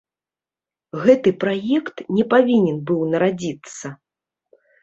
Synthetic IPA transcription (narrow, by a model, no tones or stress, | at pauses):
ɣɛt̪ɨpɾajɛkt̪nʲɛpavʲinʲɛnbɨwnɐɾad͡zʲit̪sːɐ